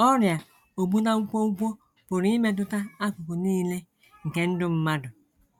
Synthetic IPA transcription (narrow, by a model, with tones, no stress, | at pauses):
ɔ˦ɾja˨ | o˨ɡ͡bu˦na˦ŋu˦kʷo˦u˦kʷo˦ | pʊ˨ɾi˦me˦t̬ʊ˦ta˦a˦kʷʊ˨kʊ˨niː˦le˦ | ŋ̩˨ke˦n̩˦dʊ˦m̩˦ma˦dʊ˨